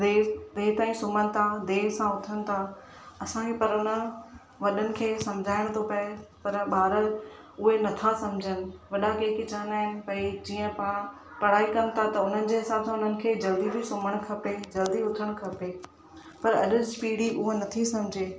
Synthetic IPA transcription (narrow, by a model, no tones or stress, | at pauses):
eːd̪eːt̪aːĩsʊməñɪ̆t̪ʰad̪eːsãʊt̪ʰəɽɪ̆t̪ʰa | ɐsãepɐɾʊnə̆ | ʋɐɗənɪ̆kʰeːsɐmd͡ʑʱaːɪɽ̃t̪ʰopɐepɐɾɓaːɾə | ʊɦenɐt̪ʰasɐmd͡ʑʱənɪ̆ʋɐɗakeːkit͡ɕaːənaːɦɪnɪ̆pɐid͡ʑiːə̃pɐ̃ | pɐɽ̤aːikɐnt̪ʰat̪ɐʊn̤ənɪ̆d͡ʑeːɦɪsaːbsãʊn̤ənɪ̆kʰeːd͡ʑɐld̪ibʱisʊməɽ̃kʰɐped͡ʑɐld̪iʊt̪ʰəɽ̃kʰɐpe | pɐɾɐɗʊd͡ʑpiːɽiʊɦonɐt̪ʰisɐ̃md͡ʑʱeː